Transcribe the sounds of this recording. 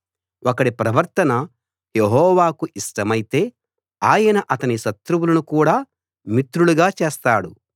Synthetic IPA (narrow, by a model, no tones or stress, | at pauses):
ʔɔkɐɽipɾɐʋɐɾt̪ɐnɐ | jeɦɔːʋaːkuʔiʂʈɐmɐjit̪e̞ː | aːjɐnɐʔɐt̪ɐniʃɐt̪ɾuwulɐnukuːɽaː | mit̪ɾuɽuɡaːt͡ʃe̞ːst̪aːɽu